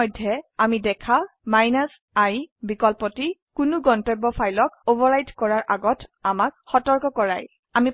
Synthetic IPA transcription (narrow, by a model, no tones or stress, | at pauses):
ɔjdʱːɛamidɛkʰa | majnas | ajbikɔlpɔtikʊnʊɡɔntɔjbːɔpʰajlɔkobɔɹajdkɔɹaɹʔaɡɔtamak̚xɔtɔɹkɔkɔɹaj | ami